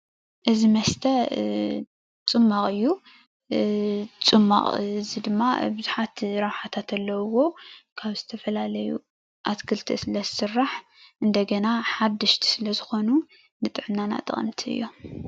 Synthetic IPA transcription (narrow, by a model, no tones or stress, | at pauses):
ʔɨzimɐst̪ʰɐ | t͡sʼɨmːaχʼɨjːu | t͡sʼɨmːa̰χʼzid̪ɨmːabɨzuħat̪ɾɐβħat̪ʰat̪ʰɐlːɐwwo̞kʰaβzɨt̪ʰɐfɐlalɐjṵ | ʔat̪kʰɨlt̪ʰḭsɨlɐzɨsɨrːaħ | ʔɨnd̪ɐɡɐnaħad̪ːɨʃt̪ʰi̥sɨlɐzɨxo̞nu | nɨt̪ʼɨʕnːana̰t̪ʼɨ̰χʼnɨt̪ʰɨ̰jːo̞